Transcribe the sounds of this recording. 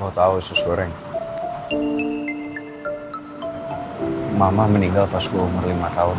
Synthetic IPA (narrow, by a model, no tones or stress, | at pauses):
ɔt̪aʊnsʊsɡoɾɛŋ | mamahməniŋɡalpaskaumərlimat̪aʊn